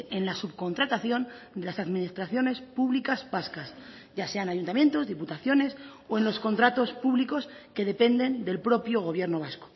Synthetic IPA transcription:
e̞nlasuβko̞nt̪ɾat̪aθjo̞nd̪e̞lasaðminist̪ɾaθjo̞ne̞spuβlikazbaskas | ɟ͡ʝase̞anaʝunt̪amje̞nt̪o̞zðiput̪aθjo̞ne̞soe̞nlo̞sko̞nt̪ɾat̪o̞spuβliko̞ske̞ðe̞pe̞nd̪e̞nd̪e̞lpɾo̞pjoɣ̞o̞β̞je̞ɾno̞β̞asko̥

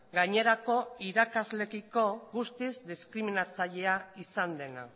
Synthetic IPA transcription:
ɡaɲe̞ɾako̞iɾakazle̞kiko̞ɣust̪izd̪iskɾiminat͡saʎe̞aisand̪e̞na̰

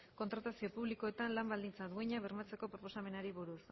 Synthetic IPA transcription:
ko̞nt̪ɾat̪asio̞puβliko̞e̞t̪anlambald̪int͡saðueɲaβermat͡se̞ko̞pɾo̞po̞same̞naɾiβuɾus

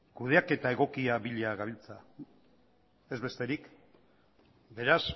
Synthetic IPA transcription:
kuð̞e̞ake̞t̪ae̞ɣ̞o̞kiaβiʎaɣaβ̞ilt͡sa | e̞zβe̞st̪e̞ɾik | be̞ɾas

